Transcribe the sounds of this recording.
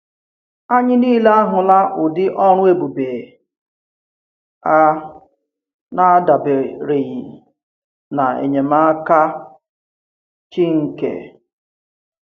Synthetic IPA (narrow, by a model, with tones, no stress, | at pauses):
a˦ɲɪ˦niː˦le˦a˦ɦʊ˨la˦ʔʊ˨dɪ˦ʔɔ˦ɾ̃ʊ˦e˦bu˨be˨ | a˦ | na˦da˨be˨ɾe˨ɣi˨ | na˨ḛ˨ɲe˨ma˦ka˦ | t͡ʃi˦ŋ̩˨kḛ˨